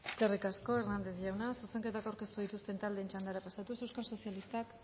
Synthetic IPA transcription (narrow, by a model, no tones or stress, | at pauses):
kerikasko̞e̞ɾnand̪e̞zʝawnasuse̞ŋke̞t̪akawɾke̞st̪uðit̪ust̪e̞nt̪ald̪e̞ːnt͡ʃand̪aɾapasat̪usewskanso̞sjalist̪ak